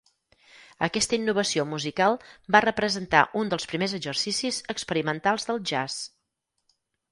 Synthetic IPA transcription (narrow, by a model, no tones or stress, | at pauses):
əkɛst̪əinːuβ̞əsiomuzikalˠbarəpɾəzənt̪a̰ʔund̪əlˠspɾimezəɡzərsisizəkspəɾimənt̪alˠzðəlˠʒas